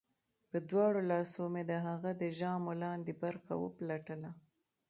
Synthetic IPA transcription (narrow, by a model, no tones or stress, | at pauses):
pəd̪wɑɽolɑsomed̪əɦaɣad̪əʒɑmolɑnd̪ebaɾxa̰wə̰plaʈəla